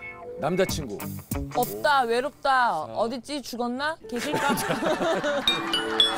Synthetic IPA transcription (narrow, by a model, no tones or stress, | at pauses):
namd͡ʑat͡ɕʰiŋɡṵʌp̚t͈aweɾop̚t͈aʌdit͡ɕ͈it͡ɕuɡʌnːakeɕʰik͈a